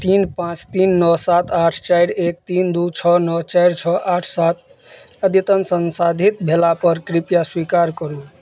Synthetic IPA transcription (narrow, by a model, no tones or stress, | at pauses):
t̪inpãt͡ʃt̪inːɔsat̪ʰaʈʰt͡ʃajɾek̚t̪ind̪ut͡ʃʰʌnɔt͡ʃajɾt͡ʃʰʌʔaʈʰsat̪ | əd̪jit̪ənsənsad̪ʱit̪̚bʱelapəɾkɾipjaswikaɾkʌɾu